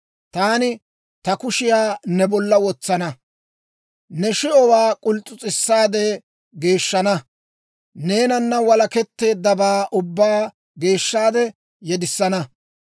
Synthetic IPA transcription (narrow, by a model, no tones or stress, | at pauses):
t̪aːnɪ | t̪ɐkʊʃɪjaːnɛbɔlːɐwɔt͡sːɐnɐ | nɛʃɪʔɔwaːkʼʊlt͡sʼʊt͡sʼɪsːaːd̪ɛ | ɡe̞ːʃːɐnɐ | ne̞ːnɐnːɐwɐlɐkɛt̪ːe̞ːd̪ːɐbaːʔʊbːaː | ɡe̞ːʃːaːd̪ɛ | jɛd̪ɪsːɐnɐ